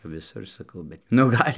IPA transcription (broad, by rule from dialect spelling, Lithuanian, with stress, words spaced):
ʋʲɪˈsʊr sɐˈkɐʊ bʲɛt nʊ ˈɡɐlʲ